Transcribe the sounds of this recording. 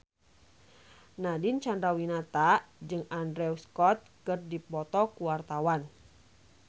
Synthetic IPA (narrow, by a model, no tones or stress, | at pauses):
nadint͡ʃandɾawinat̪ad͡ʒɨŋandɾɛuskɔt̪̚kɨrdipɔt̪ɔkuwart̪awan